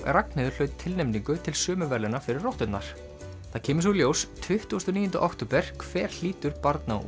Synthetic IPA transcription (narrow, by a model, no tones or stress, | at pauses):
raknɪðʏɾ̥lœɥt̪t̪ʰɪlnɛmniŋkʏt̪ʰɪlsʏːmʏvɛɾlɪnafɪɾɪrːɔht̪ʏnnaɾ̥ | θaðcʰɛːmɪsuljoːwst̪ʰvʏht̪uːst̪ɔniːjʏnt̪ʏʔakt̪opɛɾ̥kʰv̥ɛːɾ̥l̥iːt̪ʏɾpaɾt̪na̰